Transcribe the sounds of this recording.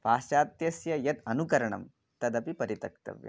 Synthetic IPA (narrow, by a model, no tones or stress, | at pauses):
paːsaːt̪jɐsjɐjɐt̪ɐnukɐɾɐɳɐ̰m | t̪ɐd̪ɐpipɐɾit̪ɐk̚t̪ɐ̰ʋjɐ̰